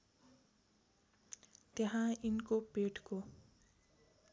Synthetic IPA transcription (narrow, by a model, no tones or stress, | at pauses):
t̪jeɦãinkopeʈko